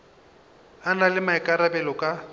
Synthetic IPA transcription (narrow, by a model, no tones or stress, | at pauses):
analɪmaɪkʼaɾabɛlɔkʼa